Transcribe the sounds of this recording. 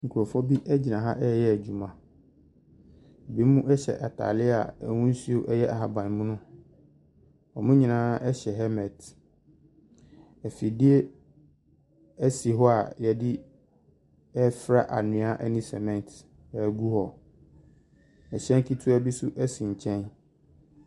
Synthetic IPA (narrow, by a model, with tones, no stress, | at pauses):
ŋ̩˨kʰu˨ɾɔ˨fɔ˦bi˦ʔɛ˦d͡ʑi˨nã˨ɦa˦ʔɛ˦jɛ˦æ˨d͡ʑu˨mã˨ | ɛ˨be˦mũ˦ɛ˦ɕɛ̰˨ʔa˨tʰa̰˨lɪ˦a̰˨ɛ˨wũ˦n˦su˦o˦ʔɛ˦jɛ˦ʔa˨ɦa˨bã˨n˨mũ˦nʊ̃˦ | ɔ˨mʊ̃˦ɲĩ˨nãː˦ʔɛ˦ɕɛ˨ɦɛ˦mɛ̃˨d | ɛ˨fi˨di˦e˦ | æ˦si˨ɦɔ˦a˨jɛ˨dɪ˦ | ɛ˦fɾa˦ʔa˨nʊ̃˨˦a˦ʔɛ˦nĩ˦sɛ̰˨mɛ̃˨n˨tʰ | ɛ˨ɡu˦hɔ˨ | ɛ˨ɕɛ̃˦ŋ˦kʰi˦tʰu˦æ˦bi˦su˦ʔɛ˦sĩ˨ɲ̩˨t͡ɕʰɛ̃˦n